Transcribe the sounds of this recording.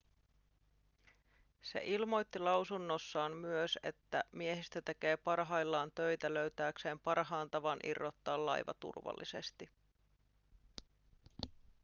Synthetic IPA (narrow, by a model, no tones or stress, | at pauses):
se̞̰ʔilmo̞jt̪ːilɑwsunːo̞sːɑːmmyøse̞̰t̪ːæmie̞ɦist̪æt̪e̞k̟e̞ːpɑrɦɑjlːɑːnt̪ø̞jt̪ælø̞ɥt̪æːkse̞ːmpɑrɦɑːnt̪ɑʋɑnʔḭrːot̪ːɑːllɑ̰jʋɑ̰t̪ṵrʋɑ̰lːḭse̞̰st̪i